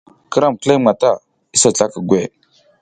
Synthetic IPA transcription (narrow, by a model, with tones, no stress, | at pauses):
kə˦ɾa˦˨m˨kə˦le˦ma˨ta˦˨ | i˦sa˨t͡sa˦kə˨ɡʷe˦˨